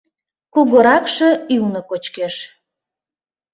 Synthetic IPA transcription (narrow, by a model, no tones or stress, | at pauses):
kuɣoɾɑkʃĕywnəkot͡ɕkeʃ